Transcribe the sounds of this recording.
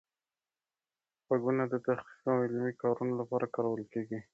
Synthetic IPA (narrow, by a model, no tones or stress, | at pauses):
paɡunad̪ət̪axqi̥qawɪlmikɑɾunolapɑɾakɑɾawəlkeɡi